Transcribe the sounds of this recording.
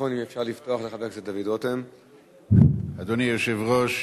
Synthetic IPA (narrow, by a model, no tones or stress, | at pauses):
fonimefʃaʁlifto̞aχleχavekset̪davidotem | ad̪onijoʃevʁoʃ